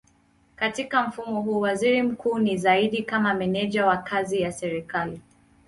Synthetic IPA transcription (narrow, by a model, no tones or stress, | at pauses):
katikam̩fumɔɦuːwaziɾim̩kʰuːnizaiɗikamamɛnɛʄawakʰazijasɛɾikali